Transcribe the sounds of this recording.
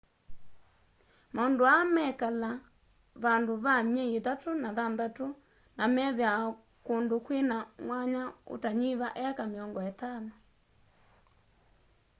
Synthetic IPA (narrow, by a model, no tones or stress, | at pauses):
maondoamɛkala | βandoβaɲɛeðatonaðandato | namɛðjaɔ | kondokwenaŋwaɲao̰taɲiβaʔɛakameɔŋɡɔɛtanɔ